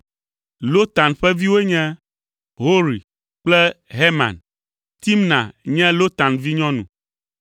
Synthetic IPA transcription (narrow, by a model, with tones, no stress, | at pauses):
lo˦t̪a˨nɸɛ˦vi˦wo˦ɲɛ̃˦ | ɦo˦ɾḭ˨ | k͡plɛ˦ɦe˦mã̰˨n | t̪i˦mnã̰˨ɲɛ̃˦lo˦t̪a˨nvi˦ɲɔ̃˦nṵ̃˨